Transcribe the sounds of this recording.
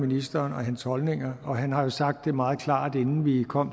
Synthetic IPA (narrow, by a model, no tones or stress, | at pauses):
minisd̥ɐːnɒ̽ɦænshɒ̽lne̝ŋ̰ɐɒ̽ɦænɦɑ̈jo̝sɑ̈ɡ̥̚d̥ːe̝mɑ̈ːð̞̩ˠkʰlɑ̰̈ːd̥e̝nn̩ʋikʰɒ̽m̰